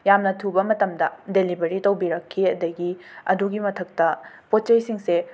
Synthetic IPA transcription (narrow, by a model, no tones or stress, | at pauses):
jamnɐtʰubɐmɐtɐmdɐdelibɐɾitɐwbiɾɐkʰːiɐdɐɡiɐduɡimɐtʰɐk̚tɐpot̚t͡ʃɐjsiŋse